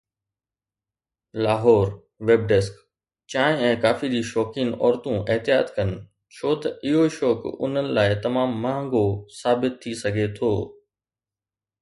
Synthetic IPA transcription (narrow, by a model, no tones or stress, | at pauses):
laːɦɔːɾ | ʋeːb̚ɖɛsk | t͡ɕãːɦɪ̃ɛ̃ːkaːfid͡ʑiːʃɔːkɪnɔːɾt̪ũʔɪɦt̪ɪjaːt̪kɐnɪ̆ | t͡ɕʰoːt̪ɐɪɦoʃɔːkʊ̰n̤ənɪ̆laːɪt̪ɐmaːmːãːŋɡosaːbɪt̪ʰːisɐɡʱet̪ʰoː